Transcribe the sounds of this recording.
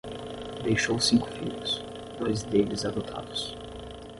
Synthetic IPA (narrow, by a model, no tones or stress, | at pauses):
d̪ejʃowsĩŋkʊ̥fḭʎʊs | d̪̥ojzd̪elɪzad̪ot̪ʰa̰d̪ʊs